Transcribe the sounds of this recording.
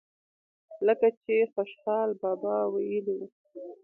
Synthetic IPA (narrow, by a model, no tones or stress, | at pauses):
ləkat͡ʃexoʃxɑlbɑbɑwajəliwu